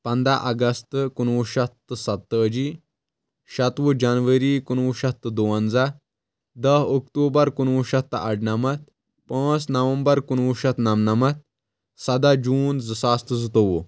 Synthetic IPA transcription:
pɐnd̪aʔɐɡɐst̪kunʋuʃɐt̪ːsɐt̪ːəd͡ʒi | ʃɐt̪ʋud͡ʒanʋəɾikunʋuʃɐt̪ːd̪uʋɐnd͡za | d̪ɐɦokt̪uːbɐɾkunʋuʃɐt̪ːɐ̰ɖnɐmɐt̪̚ | pə̃ːsnɐʋɐmbɐɾkunʋuʃɐt̪nɐmnɐmɐt̪̚ | sɐd̪ad͡ʒuːnzɨsaːst̪ɨzɨt̪oʋu

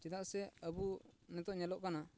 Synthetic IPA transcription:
t͡ʃɛt̪aʔsɛəbunɛt̪ɔʔɲɛlɔʔkana

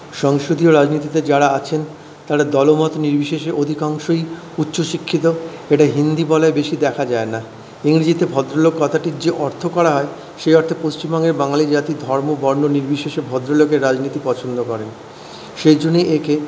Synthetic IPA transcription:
ʃɔŋʃɾod̪ʱioɾad͡ʑnit̪it̪ed͡ʑaɾaat͡ɕʰen | t̪aɾad̪ɔlomɔt̪oniɾbʱiʃeʃeʔod̪ʱikaŋʃoi | utːɕoʃikʰːit̪oeʈaɦind̪ibɔlaebeʃid̪ɛkʰad͡ʑaena | iŋɾid͡ʑit̪ebʱɔd̪ɾolokːɔt̪ʰaʈiɾd͡ʑeʔɔɾt̪ʰokɔɾaɦɔe | ʃejɔɾt̪ʰopost͡ɕimbɔŋeɾbaŋalid͡ʑat̪id̪ʱɔɾmobɔɾnoniɾbʱiʃeʃebʱɔd̪ɾolokeɾːad͡ʑnit̪ipɔt͡ɕʰond̪okɔɾen | ʃejd͡ʑonːeʔekʰe

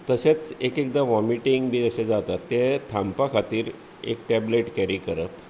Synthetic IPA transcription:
t̪əset͡sekek̚d̪aʋɔmiʈiŋɡbiːd͡zəsed͡zat̪at̪ːet̪ʰãmpakʰat̪iːɾ | ḛk̚ʈɛbleʈkɛɾikəɾəp

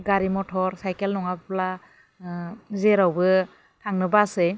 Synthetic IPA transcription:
ɡaɾimɔtʰɔɾsajkelnɔŋabpla | zeɾawbɯ | tʰaŋnɯbasɯ

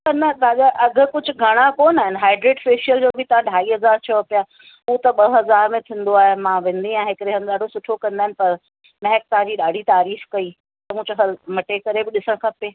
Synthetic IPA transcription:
t̪ɐnɐd̪aːɠaʔɐɡ̆ʱkʊd͡ʑʱʊ̆ɡʱɐɽ̃akoːnaːɦɪnɦaːɪɖɾeːʈfeːʃiəld͡ʑoːbʱɪt̪ɐʋ̤ãɖʱaːiːɦɐzaːɾt͡ɕʰɐʋpja | ʊot̪ɐɓɐɦɐzaːɾmẽt̪ʰĩːnd̪oaːɦemãːʋẽːnd̪iãːɦɪkɾeɦən̆ɗaːɖʱosʊʈʰokɐ̃nd̪aːɦɪnɪ̆pɐɾ | mɛɦɛk̚t̪ɐɦãd͡ʑiːɗaːɖʱit̪aːɾiːfkɐi | t̪ɐmũːd͡ʑoɦɐmɐʈekɐɾebɪɗɪsəɽ̃kʰɐpeː

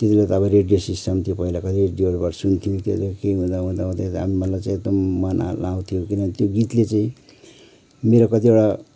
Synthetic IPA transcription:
t̪et̪ilat̪ːbʌɾeɖijosisʈʌmt̪ʰijopʌilakʌt̪ʰireɖioɾbaʈʌsunt̪ʰijõt̪jod̪akeɦũd̪aɦũd̪aɦũd̪at̪amimʌlajt͡sãĩeɡ̚d̪ʌmːanʔa̰law̃t̪ʰijokinʌnit̪joɡit̪let͡saĩ | meɾokʌt̪ieʈa

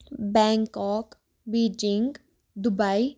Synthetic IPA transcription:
bɛ̃ːŋkɔːk | biːd͡ʒɪ̃ŋɡ | d̪ʊbai

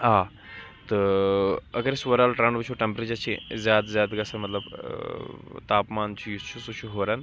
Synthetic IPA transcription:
aː | t̪ɨ | ɐɡɐɾesʋɐɾaːlʈɾaːɳɖbɐt͡ʃʰoʈempɾet͡ʃɐt͡ʃʰizʲjaːd̪zʲjaːd̪ɡɐsɐmɐt̪lɐb | t̪aːpmaːnt͡ʃʰujut͡ʃʰusut͡ʃʰuɦoːɾɐn

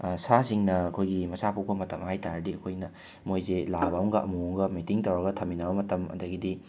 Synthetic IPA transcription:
sasiŋnɐɐkʰojɡimɐsapʰupʰɐmɐtɐmhajtaɾɐdiɐkʰojnɐ | mojzelabamɡɐʔɐ̰muɐmɡɐmitiŋtɐwɾɐɡɐtʰɐmːinɐbɐmɐtɐmɐ̰dɐɡidi

